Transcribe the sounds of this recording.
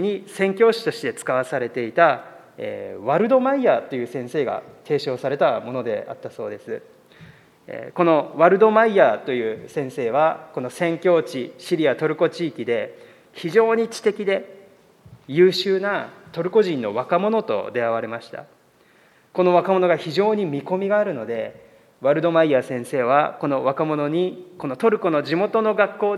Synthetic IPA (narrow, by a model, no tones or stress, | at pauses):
ɲ̟isẽ̞ŋkʲo̞ːɕi̥t̪o̞ɕi̥d̪e̞t͡sɨ̥kaβ̞asaɾe̞t̪e̞it̪a | ḛːβaɾɯ̟d̪o̞maiat̪o̞jɯ̟ːsẽ̞ɰ̃se̞ːɡa̰t̪ʰe̞ːɕo̞ːsaɾe̞t̪amo̞no̞d̪e̞̰a̰t̪ːaso̞̰ːd̪e̞sɨ | ḛko̞no̞βaɾɯ̟d̪o̞maiat̪o̞jɯ̟ːsẽ̞ɰ̃se̞ːβ̞ako̞no̞sẽ̞ŋkʲo̞ːt͡ɕiɕiɾʲiat̪o̞ɾɯ̟ko̞t͡ɕiːkʲid̪e̞ | çiʑo̞ːɲ̟it͡ɕi̥t̪e̞kʲid̪e̞ | jɯ̟ːɕɨːnat̪o̞ɾɯ̟ko̞ʑĩnːo̞βakamo̞no̞t̪o̞̰d̪e̞aβaɾe̞maɕi̥t̪a̰ | ko̞no̞β̞akamo̞no̞ɡaçiʑo̞ːɲ̟imʲiko̞mʲiɡaːɾɯ̟no̞d̪e̞ | βaɾɯ̟d̪o̞maiasẽ̞ɰ̃se̞ːβ̞a̰ko̞no̞βakamo̞no̞ɲ̟iko̞no̞t̪o̞ɾɯ̟ko̞no̞ʑimo̞t̪o̞no̞ɡakːo̞ː